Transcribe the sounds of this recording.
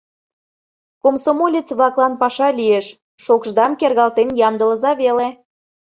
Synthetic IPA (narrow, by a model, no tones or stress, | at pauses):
komsomolʲet͡sβlɑklɑnpɑʃɑlʲieʃ | ʃokʒd̪ɑmkerɣɑlt̪enjɑmd̪ə̆lə̆zɑβele